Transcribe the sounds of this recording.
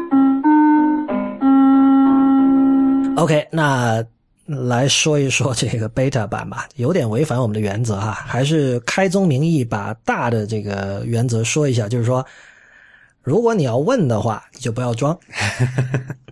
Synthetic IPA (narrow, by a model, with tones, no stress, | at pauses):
o˥ʊkʰe˥ɪna˥˩ | la˧˥ɪʂwɔ˥i˧˥ʂwɔ˥ʈ͡ʂɤ˥˩ɡə˩pe˥ɪt̪ʰa˥˩pa̰˨˩nbɐ˨jo˧˥ʊt̪jɛ˨˩nwe˧˥ɪfa˧˥nwɔ˨˩mə˦nd̪ə˧ɥɛ˧˥nt͡sɤ˧˥a˧xa˧˥ɪʂ̬ɻ̩˥˩kʰa˥ɪt͡sʊ˥ŋmi˧˥ŋi˥˩pa̰˨˩t̪a˥˩d̪ə˩ʈ͡ʂɤ˥˩ɡə˩ɥɛ˧˥nt͡sɤ˧˥ʂwɔ˥i˧˥ɕja˥˩t͡ɕjo˥˧ʂɻ̩˥˩ʂwɔ˥ | ɻu˧˥kwɔ˧˥ni˨˩jɑ˥˧ʊwə˥˩nd̪ə˩xwa̰˥˩ni˨˩t͡ɕjo˥˩p̬u˧˥jɑ˥˩ʊʈ͡ʂwɑ˥ŋ